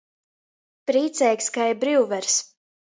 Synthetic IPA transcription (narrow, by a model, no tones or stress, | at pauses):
pɾiːt̪sɛjkʲskajbɾiwvɛɾs